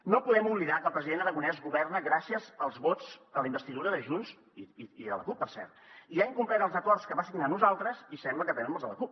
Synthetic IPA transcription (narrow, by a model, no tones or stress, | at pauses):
nopuðɛmuβliðakəlˠpɾəziðenəɾəɣunɛzɣuβɛrnəɣɾasiəzəlˠzβot͡sd̪ələimbəst̪iðuɾəðəʒuns | iðə̰lə̰kupːərsɛ̰rt̪iaiŋkumplɛt̪əlˠzəkɔrtskəβasiɡnanuzalˠt̪ɾəzisɛmbləkət̪ɛnəmolˠzðə̰ləkup̚